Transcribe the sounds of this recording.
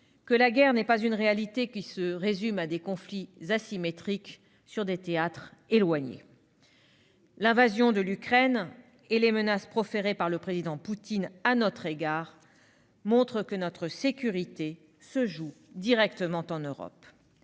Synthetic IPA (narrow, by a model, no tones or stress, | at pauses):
kəlaɡɛʁnɛpazynʁealit̪ekʲisəʁezymad̪ekɔ̃flizasimet̪χik | syʁd̪et̪eat̪χelwaɲḛ | lɛ̃vazjɔ̃d̪əlykχɛn | elemənaspχɔfeʁepaʁləpχezid̪ɑ̃put̪inanɔt̪χeɡaːʁ | mɔ̃t̪χəkənɔt̪χəsekʲyʁit̪e | səʒu | d̪iʁɛkt̪əmɑ̃t̪ɑ̃nøʁɔ̰p